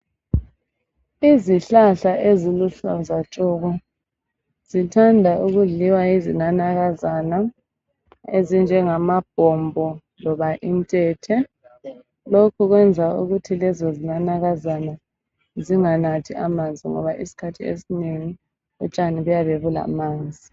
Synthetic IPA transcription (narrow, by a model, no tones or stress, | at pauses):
iziɬaɬaʔeziluɬazat͡ʃʼɔɣɔ | z̥itʰandʱaʔuɣuɮiwaizinanaɣazana | ezind͡ʒʱɛŋamab̥ʱɔmbʱɔ | lɔβaʔintʼɛtʰɛ | lokʰuɣwɛnd͡zʱaṵɣutʰilɛzɔzinanaɣazana | ziŋanatʰiʔamand͡zʱiŋɔ̰βaʔisi̥kʰatʰiḛsineŋi | ut͡ʃʼaniβujaβeβula̰maːnd͡zʱi